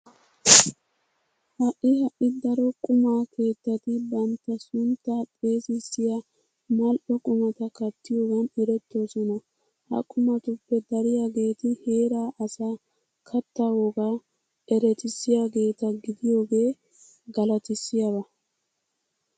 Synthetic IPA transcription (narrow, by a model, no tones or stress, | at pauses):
hɐʔːɪhɐʔɪd̪ɐɾɔkʼʊmaːkʰe̞ːt̪ːɐt̪ɪbɐnt̪ːɐsʊnt̪ːatʼe̞ːsɪsːɪjɐ | mɐlʔɔkʼʊmɐt̪ɐkɐt̪ːɪjo̞ːɡɐnɛɾɛt̪ːo̞ːsɔnɐ | hɐ̰kʼʊmɐt̪ʊpːɛd̪ɐɾɪjaːɡe̞ːt̪ɪhe̞ːɾaːʔɐsaː | kʰɐt̪ːɐwoːɡa | ɛɾɛt̪ɪsːɪjaːɡe̞ːt̪ɐɡɪd̪ɪjo̞ːɡe̞ː | ɡɐlɐt̪ɪsːɪjɐbɐ